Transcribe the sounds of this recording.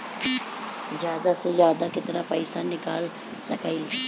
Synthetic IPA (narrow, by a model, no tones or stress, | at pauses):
zjaːd̪aːsoːzjaːd̪aːkɪt̪ɾaːpəɪsanɪkaːl | səkail